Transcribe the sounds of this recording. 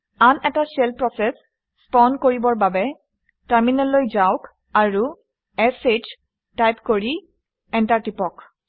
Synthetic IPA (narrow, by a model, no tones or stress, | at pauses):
anɛtasɛlpɹɔsɛsː | pɔndkoɹibɔɹbabɛ | taɹminɔlːojzawk | aɹu | ɛset͡ʃ | tajpkoɹi | ɛntaɹtipɔk